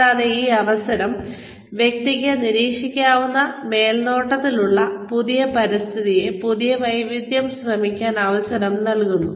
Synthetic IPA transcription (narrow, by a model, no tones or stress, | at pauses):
aːðeiːɐʋɐsɐɾɐm | ʋje̞k̚t̪iɣɐniɾiːkʂikʲːaːʋunːɐme̞ːlno̞ːʈːɐt̪ːiluɭːɐpuðijɐpɐɾist̪ʰiðije̞puðijɐʋɐjʋid̪jɐmsrɐmikʲːaːnɐʋɐsɐɾɐmnɐlkunːu